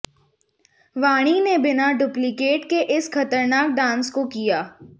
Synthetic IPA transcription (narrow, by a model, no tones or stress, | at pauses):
ʋaːɽ̃inebɪnaɖʊplikeːʈkeʔɪsxɐt̪əɾnaːk̚ɖãːnskokijaː